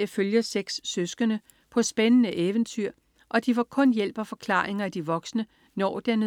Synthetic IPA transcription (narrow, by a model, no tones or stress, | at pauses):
føljɐseɡ̥sːøsɡ̥ənə | pʰɒ̽sb̥enənəʔeːʋənt͡sʰyɐ̰ | ʔɒ̽d̥iʋɑ̈kʰɔ̽njel̰b̥ɒfɒ̽kʰlɑ̰̈ːeŋɐæd̥iʋɒ̽ɡ̥snə | nɒ̰ːd̥en